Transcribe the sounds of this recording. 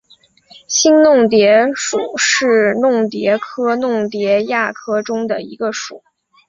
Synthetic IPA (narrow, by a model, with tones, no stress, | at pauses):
ɕi˥nnʊ˥˩ŋt̪̬jɛ˧˥ʂu˨˩˦ʂɻ̩˥˩˧nʊ˥˩ŋt̪jɛ˧˥kʰɤ˥nʊ˥˩ŋt̪jɛ˧˥ja˥˩kʰɤ˥ʈ͡ʂʊ˥ŋd̪ə˨ḭ˧˥ɡə˧ʂu˨˩˦